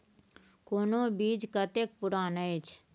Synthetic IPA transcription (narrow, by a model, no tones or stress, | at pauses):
koːnoːbiːd͡ʒkət̪ek̚pʊɾaːnəet͡ʃʰ